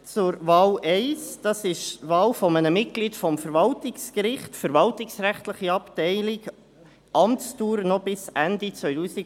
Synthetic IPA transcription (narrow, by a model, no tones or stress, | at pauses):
t͡sʊɾvɑːlʔɛɪsd̥ɑsɪʃʋɑːlfɔmənəmɪtɡ̥liːdfɔmfəɾvɑltɪkskɾɪχtfəɾvɑltɪksɾæχtləχiɑptɛɪlɪɡ | ʔɑmtstuːɾnɔb̥ɪsændit͡sʋœʏtuːsiɡ